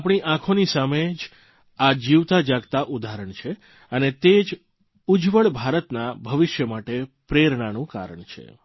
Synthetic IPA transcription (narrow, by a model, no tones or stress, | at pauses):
apɳ̃iʔãkʰonisamed͡ʒ | ad͡ʒiʋt̪ad͡ʒaɡt̪aʔud̪ʱaɾəɳt͡ʃʰe | ənet̪ed͡ʒ | ud͡ʒʋəɭbʱaɾət̪nabʱəʋɪʃjəmaʈepɾeɾɳanũka̰ɾə̰ɳt͡ʃʰḛ